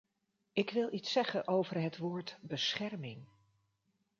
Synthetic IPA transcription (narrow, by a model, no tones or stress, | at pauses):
ɪkʋɪlˠʔitsɛχənʔowvərɦətʋoːɹtbəsχɛrmɪŋ